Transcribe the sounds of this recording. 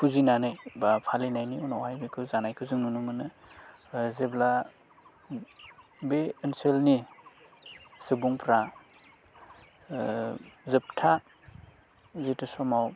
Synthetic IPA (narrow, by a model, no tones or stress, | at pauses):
pʰuzinanɯjbapʰalinajniɔnɔwajbikʰɯzanajkʰɯzɯŋnunumɯnɯ | zebla | beːnselni | sɯbuŋpʰɾa | zɯp̚tʰa | zetɯsɔmaw